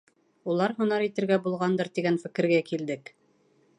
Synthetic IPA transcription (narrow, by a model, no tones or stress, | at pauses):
ulˠɑɾɦɵ̆nɑɾit̪ɘ̆ɾɡæbulˠʁɑnd̪ɤɾt̪iɡænfɘ̆kɘ̆ɾɡækild̪ɘk